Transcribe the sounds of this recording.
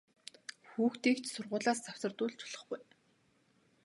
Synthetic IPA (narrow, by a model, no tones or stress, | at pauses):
xuːxt̪iːkt͡ɕsʊrʁʊːɮaːst͡sʰaw̥sə̆rt̪ʊːɮt͡ɕʰʊ̥ɮ̥ə̆χɡʊj